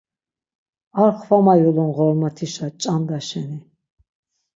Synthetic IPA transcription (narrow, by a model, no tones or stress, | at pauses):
aɾχvamajulɔnʁɔɾmat̪ʰiʃat͡ʃʼand̪aʃɛni